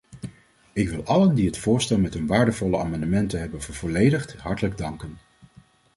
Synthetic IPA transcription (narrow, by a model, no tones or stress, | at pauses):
ɪkʋɪlˠʔɑləndiɦətfʊːɹstɛlˠmɛtɦɵnʋaːɹdəvɔlˠəaːmɑndəmɛntəɦɛbənvəɹvɔːlejdəχtɦɑɹtələɡ̚dɑŋkən